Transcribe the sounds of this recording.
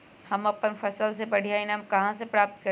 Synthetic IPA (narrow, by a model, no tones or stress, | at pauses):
hɐmɐpənfɐsəlsepɐɽ̤ʱijaĩnəmkɐɦãsepɾaːp̚t̪̚kɐ